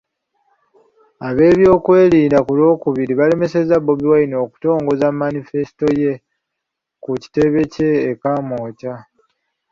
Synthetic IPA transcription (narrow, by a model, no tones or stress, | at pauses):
aβe̞ːβjo̞ːkwe̞ːliːndakulo̞ːkuβiɾiβale̞me̞se̞zaβo̞βiwaino̞ːku̥to̞ːŋɡo̞zamːanife̞si̥to̞je̞ | kuci̥te̞βe̞ce̞ːkamo̞ːca